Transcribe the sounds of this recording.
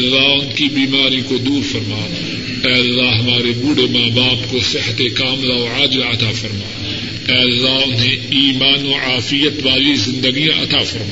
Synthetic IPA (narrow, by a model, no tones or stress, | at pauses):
lːaɦʊnkibiːmaːɾĩkod̪uːɾfɐɾmaː | ɛːɐlːaɦɐmaːɾebuːɽemaːbaːpkosɪht̪ekaːmlaoːaːd͡ʒlaɐt̪afɐɾmaː | ɛːɐlːaʊnɦẽiːmaːnoːaːfɪjət̪ʋaːlizɪ̃nd̪əɡijãʔɐt̪aːfɐɾma